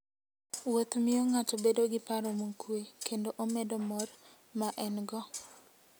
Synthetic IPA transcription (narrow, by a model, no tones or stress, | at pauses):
wot̪mɪoŋat͡ʃɔbedoɡɪpaɾomuŋkwekendoʔomɛdɔmɔr | maʔɛnɡɔ